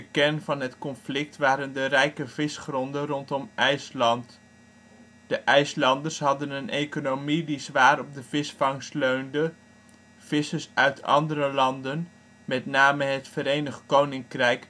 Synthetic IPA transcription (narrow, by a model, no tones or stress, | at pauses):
əkɛnvɑnɦətkɔnflɪk̚tʋaːɾəndərɛjkəvɪsχrɔndərɔntɔmʔɛjslɑnt | d̥əʔɛjslɑndərsɦɑdənənʔejkonowmidizʋaːɾɔb̚dəv̥ɪsfɑŋstløɥndə | v̥ɪsəsœɥtʰɑ̰ndəɾəlɑndən | mɛtnaːməɦətfəɾejnəχtkownɪŋkrɛjk